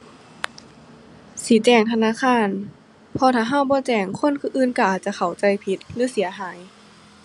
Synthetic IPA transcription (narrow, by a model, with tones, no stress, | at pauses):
siː˨˦t͡ɕɛː˧˩ŋt̪ʰa˧naː˧˥˨kʰaː˧˥˨n | pʰɔː˧t̪ʰaː˧˦ɦa˧˥˨wbɔː˧˦t͡ɕɛː˨˩ŋkʰo˧˥˨nkʰɯː˧ʔɯː˧˥˨nka˧˩ʔaː˨˩t̪̚t͡ɕa˧˨kʰa˨˩wt͡ɕa˧jpʰi˧˦t̪̚lɯː˧˦si˨˩˦ɐɦaː˩˦j